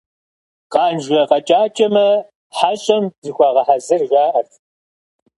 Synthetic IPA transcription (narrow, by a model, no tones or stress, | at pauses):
qɑːnʒɣɐqɐt͡ʃʼaːt͡ʃʼɐmɐ | ħaɕʼɐmzɨxʷɑːʁɐħazɨrɣaːʔɐrtʰ